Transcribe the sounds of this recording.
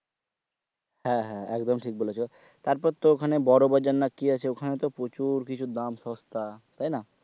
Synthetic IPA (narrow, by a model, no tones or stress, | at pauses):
hɛ̃ɦɛ̃ɛkd̪omʈʰik̚bolet͡ɕʰo | t̪aɾpɔɾt̪ːookʰanebɔɾobad͡ʑanːakːiat͡ɕʰeokʰanet̪opɾot͡ɕuɾkit͡ɕʰud̪amʃɔst̪at̪ajna